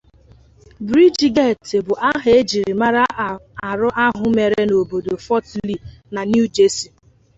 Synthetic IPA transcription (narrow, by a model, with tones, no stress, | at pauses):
bɾi˦d͡ʒɡe˦˨te˨bʊ˨ʔa˦ɦe˦d͡ʒi˨ɾi˨ma˦ɾa˦ʔa˨ɾʊ˦ʔa˦ɦʊ˨me˨ɾe˦no˨bo˨do˨fɔ˦tli˦˨na˨nju˦d͡ʒe˦si˨